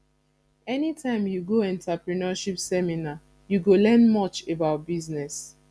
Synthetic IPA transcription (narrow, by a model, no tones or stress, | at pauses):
ɛnitʰãɪ̃mjuɡoɛ̃ntapɹinɔʃipsɛmina | juɡolɛ̃nmɔt͡ʃebaʊt̚biznɛs